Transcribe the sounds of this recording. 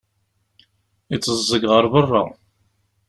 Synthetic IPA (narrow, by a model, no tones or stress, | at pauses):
it͡sːəzˤːəɡʁəɾˤbərˤːa̰